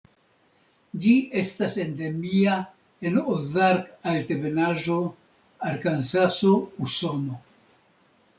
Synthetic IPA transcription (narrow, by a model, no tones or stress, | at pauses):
d͡ʒie̞stase̞nde̞mia | e̞nozaɾkalte̞be̞naʒo | aɾkansasouso̞no